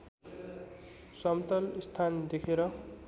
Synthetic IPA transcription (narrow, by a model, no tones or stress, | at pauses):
sʌmt̪ʌlist̪ʰand̪ekʰeɾʌ